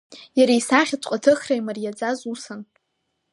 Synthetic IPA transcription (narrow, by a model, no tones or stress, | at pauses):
jaɾajsaχʲat͡sʼqʷʼatʰɨχrajmarjad͡zazusan